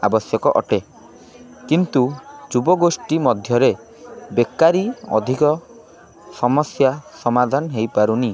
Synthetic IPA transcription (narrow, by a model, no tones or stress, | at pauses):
a̰bɔsjɔkɔʔɔ̰ʈe | kint̪ud͡ʒubɔɡosʈimɔd̪ʱjɔɾe | bekaɾiɔ̰d̪ʱikɔ | sɔmɔsjasɔmad̪ʱanɦejpaɾuni